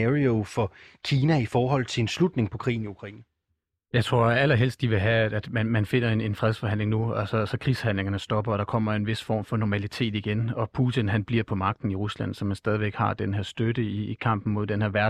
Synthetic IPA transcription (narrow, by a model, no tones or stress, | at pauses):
ʁiofɒ̽kʰiːnæifɒːɦɒ̽l̰t͡sʰe̝enslud̥ne̝ŋpʰɒ̽kʰʁḭːn̩iukʰʁɑḭːn̩ | jɑ̈ɪt͡sʰʁo̝ɐ̰æl̰ɐɦel̰sd̥iʋe̝ɦææ̥æd̥mænmænfe̝n̰ɐene̝nfʁɛð̞ˠsfɒ̽ɦæn̰le̝ŋnuæsɒsɒ̽kʰʁishæn̰le̝ŋɐnəsd̥ɒ̽b̥ɐɒɾ̥ɑ̈kʰɒ̽m̰ɐe̝nʋe̝sfɒ̰ːmfɒ̽nɒmælit͡sʰe̝̰ːd̥iɡ̥enɒ̽pʰut͡sʰinɦænb̥liɐpʰɒ̽mɑ̈ɡ̥̚d̥n̩iʁuslæn̰sɒ̽mænsd̥ɛːð̞ˠiʋeɡ̥hɑ̈d̥enɦeɐ̰sd̥ødəiːkʰɑ̈m̰b̥n̩mo̝ð̞̰ˠd̥enhe̝ɐ̰ʋæɐ